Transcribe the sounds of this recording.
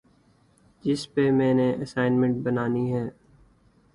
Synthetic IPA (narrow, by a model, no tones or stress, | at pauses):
d͡ʒɪspemɛ̃ːneʔəsaːɪnmə̃ɳʈ̚bənaːniɦɛː